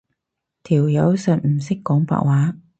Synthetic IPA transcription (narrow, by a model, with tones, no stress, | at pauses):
t̪ʰiː˨˩wjɐ˨˧˥wsɐ˨t̚m̩˨˩sɪ˥kːɔː˨˥ŋpa̰ː˧˥k̚waː˨˥